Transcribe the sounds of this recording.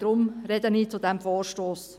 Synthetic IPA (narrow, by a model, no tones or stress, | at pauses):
d̥ɾʊmɾɛd̪əniːt͡sudɛmfoːɾʃtoːs